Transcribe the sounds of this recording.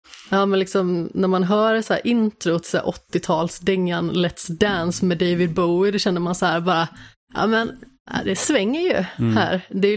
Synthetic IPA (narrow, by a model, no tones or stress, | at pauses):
jɑːmɛnlɪksɔmnæɾmanɦœːɾəsæ̰ːɾʔɪnt̪ɾʊt̪ʰɪ̥sæ̰ːʔɔt̪ːɪt̪ʰɑːlsd̪ɪŋːanlɛt̪sd̪ænsmɛd̪eɪvɪd̪̚bɔːɪd̪ɔɕɛnːəɾmansahæːɾbɑːɾa | ʔɑ̰ːmɛn | a̰d̪ɛsvɛŋːəɾjɵ̰hæ̰ːɾd̪ɛ